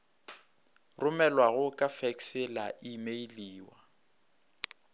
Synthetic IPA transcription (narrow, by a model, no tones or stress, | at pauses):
rʊmɛlwaɣʊkʼafɛksɪlaʔimeiliːwa